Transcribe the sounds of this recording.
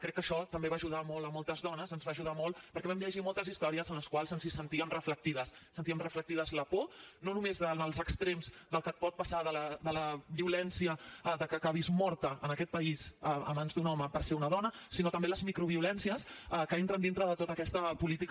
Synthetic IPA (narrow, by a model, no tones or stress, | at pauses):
kɾɛkːəʃɔt̪əmbeβaːʒuðamɔlˠəmɔlˠt̪əzðɔnəzənzβaːʒuð̞amɔlˠpəɾkɛβɛməʎəʒimɔlˠt̪əzist̪ɔɾiəzənləskwalˠzənzisənt̪iəmrəflək̚t̪iðəssːənt̪iəmrəflək̚t̪iðəzləpononumezðənəlˠzəkst̪ɾemzd̪əlˠkət̪̚pɔt̪̚pəsaðələd̪ələβiulɛnsiəðəkəkaβizmɔɾt̪əənəkɛt̪̚pəizəə̰manzd̪unɔməpəɾseunəðɔnəsinot̪əmbeləzmikɾuβiulɛnsiəsəkəent̪ɾənd̪int̪ɾəðət̪ot̪əkɛst̪əpulit̪ik